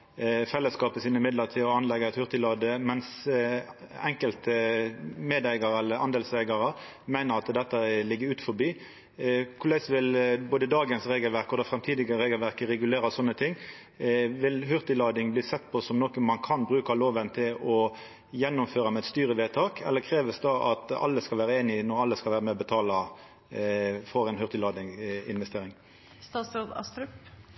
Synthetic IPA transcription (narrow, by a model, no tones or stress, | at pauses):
fɛlːəskɑːpəsiːnɪmɪd̪ləʁt̪ʰɪɔɑnlɛɡːəæɪt̪hʉʁt̪ɪlɑːd̪əmɛns | ɛŋkəlt̪əmeːd̪æɪɡɑɾɛlːəɑnd̪eːlsæɪɡɑɾə | mæɪnəʁɑt̪d̪ɛt̪ːəlɪɡːəɾʉːt̪fɔbiː | kʰʊlæɪsʋɪlboːd̪əd̪ɑːɡənsʁeːɡəlʋæɾkɔd̪ɑfɾɛmt̪ʰiːd̪ɪɡəɾeːɡəlʋæʁkəʁɛɡʉleːɾɑsɔnːət̪ʰɪŋː | ʋɪlɦʏʁt̪ɪlɑːd̪ɪŋbliːsɛt̪ːpʰɔsɔmnɔːkəmɑnkʰɑnbɾʉːkɑloːʋənt̪ʰɪlɔ | jɛnːʊmføːɾʁɑmɛt̪st̪yːɾəʋeːt̪ʰɑːkʰɛ̰lːəkʰɾeːʋəsd̪ɑʔɑ̰t̪ɑ̰lːəskɑlʋæːɾəeːnɪnɔɾɑlːəskɑlʋæːɾəmɛɔbət̪ʰɑːlɑ | fɔɾɛɪnhʏʁt̪ɪlɑːd̪ɪŋɪ̰nʋɛst̪eːɾɪŋ | st̪ɑːsɾoːd̪ɑ̰st̪ɾʉp